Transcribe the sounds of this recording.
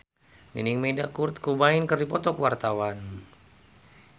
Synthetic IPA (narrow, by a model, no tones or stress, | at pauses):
niniŋmedakurt̪̚kubainkərdipɔt̪ɔkwart̪awan